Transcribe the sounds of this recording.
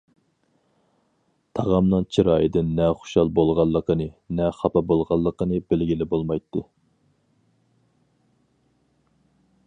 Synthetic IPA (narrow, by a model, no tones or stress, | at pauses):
t̪ʰɑʁɑmnɨŋt͡ʃʰiɾɑːjid̪ɪnːɛχo̥ʃɑlˠbolˠʁɑlˠːəqənɨnɛχɑpɑbolˠʁɑlˠːəqənɨbɪlɡʲilɪbolˠmɑjt̪ʰːɨ